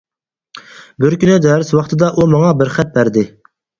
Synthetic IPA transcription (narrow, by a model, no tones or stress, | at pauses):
bɪɾkʲynɪd̪ɛːɾɪswɑχt̪ʰɨd̪ɑʔumɑŋɑbɪɾχɛt̪̚bæɾd̪ɪ